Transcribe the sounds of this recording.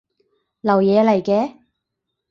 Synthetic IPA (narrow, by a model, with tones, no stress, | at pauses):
lɐ˨˩wjɛː˨˧lɐ˨˩jkɛː˧